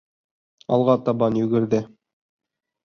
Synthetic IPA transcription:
ɑ̰lˠʁɑt̪ɑβɑnjɵ̆ɡɘ̆ɾðɘ

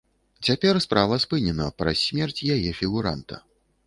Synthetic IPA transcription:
t͡sʲapʲɛrspɾavɐspɨnʲɛnɐpɾɐsʲːmʲɛrt͡sʲjajɛfʲiɣuɾa̰nt̪ɐ̰

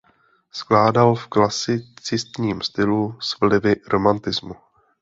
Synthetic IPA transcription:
sklaːdalfklasɪt͡sɪst̪ɲiːmst̪ɪlusvlɪvɪɾo̞mant̪ɪzmu

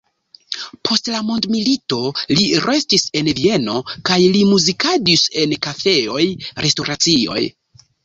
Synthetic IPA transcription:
pʰo̞stlamondmilito̞liɾʔe̞stise̞nvie̞no̞kajlimuzikadise̞nkafe̞o̞jɾʔe̞stoɾat͡sio̞̰j

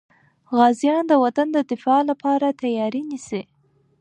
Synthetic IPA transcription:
ɣɑzijɑnd̪əwat̪and̪əd̪ɪfɑlapɑɾat̪ajɑɾinisi

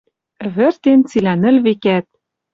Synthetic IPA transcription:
βɘ̆rt̪ent͡silænɘ̆lβekæt̪̚

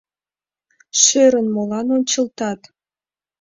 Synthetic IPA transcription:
ʃøɾə̆nmolɑnonʲt͡ɕə̆lt̪ɑt̪

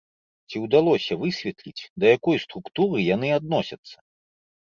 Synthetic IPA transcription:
t͡sʲiwd̪alˠɔsʲɐvɨsʲvʲɛt̪lʲit͡sʲd̪ɐjakɔjst̪ɾukt̪uɾɨjanɨad̪̚nɔsʲɐt̪sːɐ̥

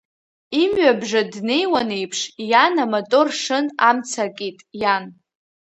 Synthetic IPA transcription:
imɥabʐadne̞jwane̞jpʰʂjanamatʼorʂɨnamt͡sʰakʼitʼjan

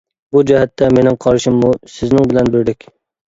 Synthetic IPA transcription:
bud͡ʒɛɦɛt̪ʰːɛmenɪŋqʰɑɾʃɪmːusɪznɪŋbɪlɛnbɪɾd̪ɪkʲ

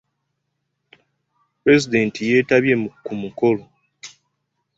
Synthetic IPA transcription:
pɾe̞zide̞ːntʰije̞ːtaβje̞mukumuko̞lo̞

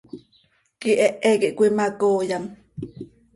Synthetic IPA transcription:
kiʔeʔekiʔkʷimakoːjam

